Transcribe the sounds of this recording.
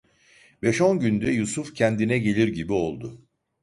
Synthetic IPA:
bɛʃonɟynd̪ɛjusufcʰɛnd̪inɛɟe̞lʲiɾɟibio̞lˠd̪ʊ

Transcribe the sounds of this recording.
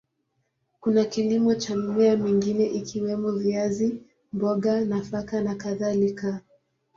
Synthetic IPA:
kunakilimɔt͡ʃamumɛamiŋɡinɛʔikʰiwɛmɔviazi | mbɔɠanafakanakaðalika

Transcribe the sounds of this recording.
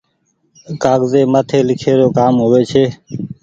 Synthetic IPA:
kaːɡzeːmət̪ʰeːlɪkʰeːɾoːkaːmɦʊʋeːt͡ʃʰeː

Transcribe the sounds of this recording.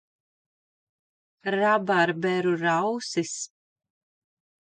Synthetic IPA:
ɾabaɾbɛɾuɾawsis

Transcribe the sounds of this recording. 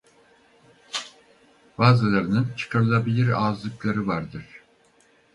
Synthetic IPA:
baːzɯlˠaɾɯnɯnt͡ʃʰɯ̥kʰaɾɯlˠabilʲiɾaːzlˠɯklˠaɾɯvaɾd̪ɯɾ̥

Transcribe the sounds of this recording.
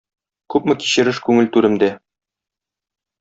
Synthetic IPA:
kʉpmɘki̥ɕɘ̆ɾɘʃkʉŋɘlt̪ʉɾɘ̆md̪æ

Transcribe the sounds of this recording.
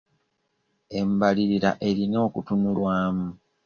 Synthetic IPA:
e̞mbaliɾiɾa̰ʔe̞ɾino̞ːkutunulwaːmu

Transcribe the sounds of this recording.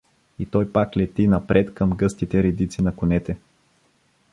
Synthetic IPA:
it̪ɔjpaklɛt̪inɐpɾʔɛt̪kɐmɡɤst̪it̪ɛɾɛd̪it̪sinɐkʊnɛt̪ɛ

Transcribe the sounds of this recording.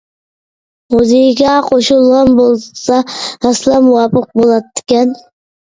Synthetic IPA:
oziɡʲaqʰoʃulˠʁɑnbolˠsɑɑslˠɑmwɑpɨq̚bolˠɑt̪ːɪ̥kʲan

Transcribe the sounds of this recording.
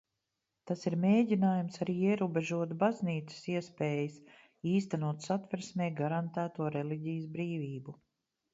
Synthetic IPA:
t̪asiɾmʲeːɟinaːjumsaɾiːiɛɾuːbeʒuɔt̪bazniːt̪sə̥siɛspɛːjəs | iːst̪anuɔt̪sat̪vɛɾsmʲɛːɡaɾant̪æːt̪uɔɾɛliɟijsbɾiːviːbu

